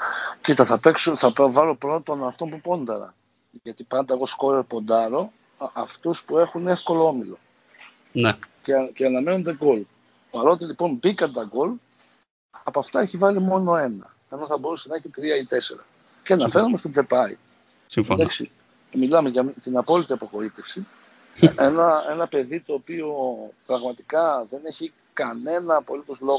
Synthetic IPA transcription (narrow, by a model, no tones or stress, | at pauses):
cit̪ɐθɐpe̞ksuθɐpovɐlo̞pɾot̪t̪o̞nɐft̪o̞mpupo̞nd̪ɐɾɐ̰ | ʝɐt̪ipɐnd̪ɐeɣo̞sko̞ɾeɾpo̞nd̪ɐɾo̞ | ɐft̪uspue̞xune̞fko̞lo̞o̞milo̞ | nececeɐnɐme̞nond̪eɡo̞l | pɐɾo̞t̪ilipo̞nbikɐnd̪ɐɡo̞l | ɐpoɐft̪ɐeçivɐlimo̞no̞e̞nɐ | enoθɐbo̞ɾusenɐe̞çit̪ɾiɐit̪e̞se̞̰ɾɐ̰ | cenɐfe̞ɾume̞st̪oðe̞pɐḭ | sifd̪ɐksḭ | milɐme̞ʝɐmt̪inɐpo̞lit̪iɐpoxo̞it̪e̞fsi | enɐe̞nɐpe̞ðit̪o̞ːpiopɾɐɣmɐt̪ikɐðe̞ne̞çi | kɐne̞nɐːpo̞lit̪o̞zlo̞